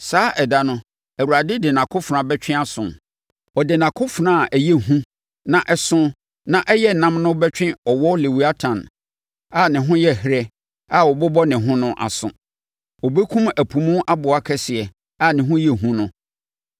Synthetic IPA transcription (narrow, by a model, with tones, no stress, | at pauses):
saː˨˦ʔɛ˨da˨nʊ̃˦ | æ˨wu˨ɾa˨dɪ˦dɪ˨nã˨kʰʊ˦fã˨bɛ˦t͡ɕᶣɪ̃˦a˦sʊ̰̃˨n | ɔ˨dɪ˨nã˨kʰʊ˦fʊ˨ɾã˨a˨ʔæ˨jɛ˦ɦũ˦ | nã˨ʔɛ˦sʊ̃˦ | nã˨ʔɛ˦jɛ˦˨nã˦mnʊ̃˦bɛ˦t͡ɕᶣɪ̃˦ɔ˨wɔ˦le˨wu˦a˦tʰã˨n˨ | a˨nɪ̃˨ɦʊ̃˦jɛ˦˨hɾɛ˦ | a˨wɔ˨bɔ˦bɔ˦nɪ̃˨ɦʊ̃˦nʊ̃˦ʔa̰˨sʊ̰̃˨ | ɔ˨be˦kʰũ˦mæ˨pʰũ˨mũ˦ʔa˦bʊ˨a˦kʰɛ˦sɪ˨ɛ˨ | a˦nɪ̃˨ɦʊ̃˦jɛ˦˨ɦũ˦nʊ̃˦